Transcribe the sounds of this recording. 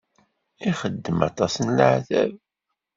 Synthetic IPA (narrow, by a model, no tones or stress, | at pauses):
iχəd̪ːəmɑ̰t̪ˤɑsənləʕθæ̰v